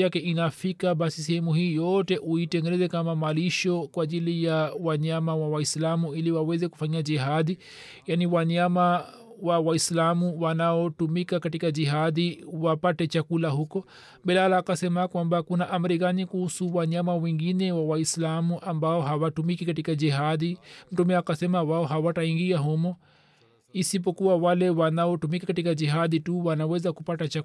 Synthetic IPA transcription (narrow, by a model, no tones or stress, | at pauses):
jakɛʔinafikaɓasis̬ɛhɛmuhiːjɔtɛʔuitɛŋɡɛnɛzɛkamamaliʃɔkwaʄilijawaɲamawawaislamuiliwawɛzɛku̥faɲiad͡ʒiɦaði | janiwaɲama | wawaislamuwanaɔtumikakatikaʄiɦaðiwapatɛt͡ʃakulaɦukɔ | mbɛlalaːkasɛmakwambakunaʔam̩ɾik̬anikuhusuwaɲamawɛŋɡinɛwawaislamuʔambaɔɦawatumikikatikad͡ʒiɦaðim̩tumɛakasɛmawaɔɦawataiŋɡiaɦɔmɔ | isip̬ɔkuwawalɛwanaɔtumikakatikad͡ʒiɦaðituwanawɛzakupatat͡ʃa